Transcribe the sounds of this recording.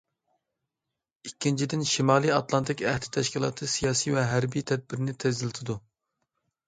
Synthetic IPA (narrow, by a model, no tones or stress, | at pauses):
ikʲːint͡ʃʰid̪ɪnʃimɑːlˠijɑt̪lˠɑnt̪ʰɪkʲɛhd̪ɪ̥t̪ʰɛʃkʲilˠɑ̰ːt̪ʰɨsijɑːsijvɛɦæɾbijt̪ʰɛd̪̚bɪɾɪnɪt̪ʰɛzɪlˠɪt̪ʰɨd̪u